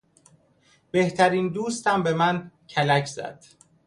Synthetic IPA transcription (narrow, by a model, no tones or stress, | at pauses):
b̥e̞ht̪ʰæɾiːnd̪uːst̪æmbe̞mæncʰælæcʰzæ̰d̪̥